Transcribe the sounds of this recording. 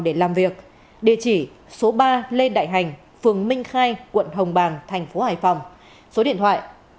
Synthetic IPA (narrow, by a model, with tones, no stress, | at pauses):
ɗe˧˩laː˨˩mvi˨˩ək̚ | ɗi˧˩t͡ɕi˧˩ | so˨˦ɓaː˧le˧nɗa̰ː˧˨jɦa˨˩jŋ̟ | fɨ˨˩əŋmï˧ŋ̟xaː˧jkwə̰˧˨nɦə˨˩wŋ͡mɓaː˨˩ŋt̪ʰɛ˨˩jŋ̟fo˨˦haː˨˩jfa˨˩wŋ͡m | so˨˦ɗḭ˧˨nt̪ʰwa̰ː˧˨jʔ